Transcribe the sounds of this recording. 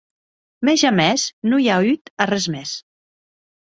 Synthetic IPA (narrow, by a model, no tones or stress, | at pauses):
mɛʒamɛsnujayt̪arɛzmɛs